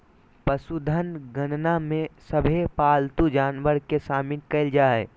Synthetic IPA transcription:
pəsud̪ʱənɡənnamẽsəbʱepaːlt̪ud͡ʒaːnʋəɾkesaːmɪnkɐɪld͡ʒaːɛ

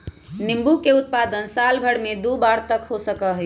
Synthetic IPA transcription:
nimbukeʊt̪̚pad̪ənsalbʱəɽmed̪ubaɾt̪əkɦosəkəɦəj

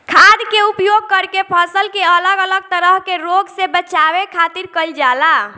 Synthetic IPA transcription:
kʰad̪keupjoɡ̚kəɾkepʰəsəlkeələɡələɡ̚t̪əɾəɦkeɾoɡsebət͡ʃabekʰat̪iɾkəld͡ʒala

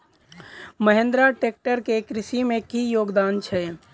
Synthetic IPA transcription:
məɦẽnd̪ɾaʈeːk̚ʈəɾkekɾisimẽkijoːɡd̪aːnt͡ʃʰɛ

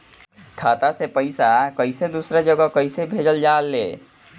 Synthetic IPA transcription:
kʰat̪asepəɪsakəɪsed̪usɾed͡ʒəɡəkəɪsebʱed͡ʒəld͡ʒaːlːḛ

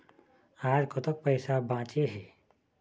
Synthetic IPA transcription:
aːɾkot̪ɐk̚pəɪsabãːt͡ʃeɦɛː

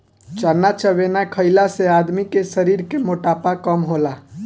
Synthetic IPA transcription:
t͡ʃənːat͡ʃəbenakʰəɪlasead̪mikesəɾiɾkemoʈapakəmɦola

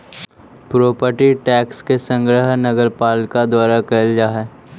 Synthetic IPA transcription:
pɾoːpəɾʈiʈɛːkskesə̃ŋɡɾəɦnɐɡəɾpaːlkad̪waːɾakɐld͡ʒaɦɛː

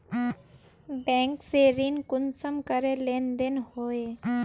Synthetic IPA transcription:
bɛ̃ːŋkseɾinkʊnsəmkəɾelẽːnd̪enhoːeː

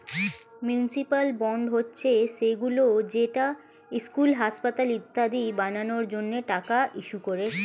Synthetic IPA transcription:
mjunsipalbɔɳɖɦotːɕʰeʃeɡulod͡ʑeʈa | iskulɦaʃpat̪alit̪ːad̪ibananoɾd͡ʑonːeʈakaʔiʃukoɾe

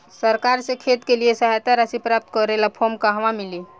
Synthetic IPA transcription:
səɾkaɾsẽkʰet̪keliesəɦajt̪aɾasipɾap̚t̪kɔɾelapʰomkaɦʋamili

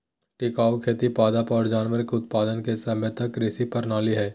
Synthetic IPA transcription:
ʈɪkaːʋkʰeːt̪ipaːd̪apɔːɾd͡ʒaːnʋəɾɪkʊt̪paːd̪ənkesɐmət̪ɐkɾɪsipɐɾnaːliɦɛː

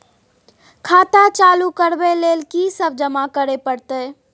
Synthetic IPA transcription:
kʰaːt̪at͡ʃalukəɾbelelkisəb̚d͡ʒəmakəɾepəɽt̪ə

